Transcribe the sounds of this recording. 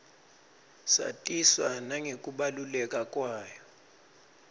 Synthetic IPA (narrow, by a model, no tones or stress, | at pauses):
sa̰tʼiswanaŋekʼuɓalulɛkʼakʼwaːjɔ